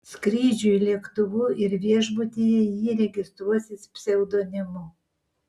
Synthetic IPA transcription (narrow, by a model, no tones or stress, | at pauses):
sʲkɾʲiːd͡ʒʲʊjlʲiɛkt̪ʊʋuːʔɪɾʋʲiɛʒbʊt̪ʲeːjɛjiːɾʲɛɡʲɪst̪ɾuɔsʲɪspʲsʲɪɛʊd̪oːnʲɪmʊ